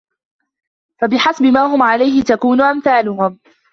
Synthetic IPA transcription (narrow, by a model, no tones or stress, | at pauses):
fabɪħasbɪmaːɦʊmʕalajhɪt̪akuːnʊʔamθaːlʊhʊm